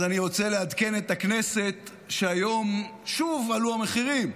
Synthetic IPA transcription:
zaniʁo̞t͡selead̪ke̞net̪akne̞se̞t̪ | ʃeajo̞mʃuvaluameχiʁim

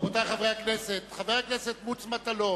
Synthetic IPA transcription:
vot̪aχavʁeakneset̪χaveakneset̪mut͡smat̪alo

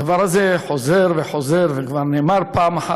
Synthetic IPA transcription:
davaɾhazɛħozɛɾvɛħozɛɾvɛɡvaɾnɛːmaɾpaːmaħa

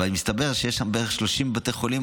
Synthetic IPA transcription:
animist̪abeʁʃejeʃambeeeχʃloʃimbat̪ejχolim

